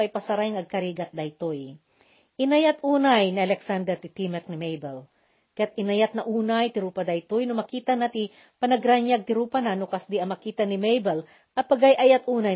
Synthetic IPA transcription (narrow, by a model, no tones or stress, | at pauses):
ɐjpɐsɐɾajŋɐɡ̚kɐɾiːɡɐt̪̚d̪ɐjt̪oj | ʔɪnɐjat̪ʔuːnajnɪʔɐlɛksand̪ɛɾt̪ɪt̪imɛk̚nɪmɛjbɛl | kɐjat̪ɪnɐjat̪̚nɐʔuːnajt̪ɪɾuːpɐd̪ajt̪ojnomɐkiːt̪ɐnɐt̪i | pɐnɐɡɾaɲjaɡ̚t̪ɪɾuːpananokɐsd̪iɐmɐkiːt̪ɐnɪmejbɛl | ʔɐpɐɡajʔajat̪ʔuːnaj